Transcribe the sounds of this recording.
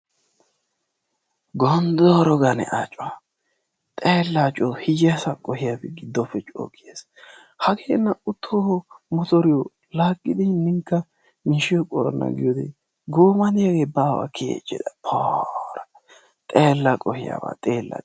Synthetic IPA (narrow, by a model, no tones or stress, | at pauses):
ɡɔnd̪ɔɾɔɡɐnɛ̰ʔat͡ʃʼɔwa | t̪ʼeːlːat͡ʃʼɔhɪd͡ʒɪjɐsakʼɔhɪjabɛɡɪd̪ːɔfɛt͡ʃʼo̰ːkʼːɪjeːs | hɐɡeːnːɐʊt̪ʰːohɔmɔt̪ɔɾɪjɔ | laːkʼːɪd̪ɪhnːɪŋkːɐ | miʃɪjɔkʼɔɾɔnːɐ̰ɡɪjɔd̪ɛ̰ | ɡoːmɐd̪ɪjaɡeːbaːwa̰kʰḛːt͡ʃʼːɪ̰d̪ɐpʰoːɾɐ | t̪ʼeːlːɐkʼɔhɪja̰ba̰ːt̪ʼeːlːa̰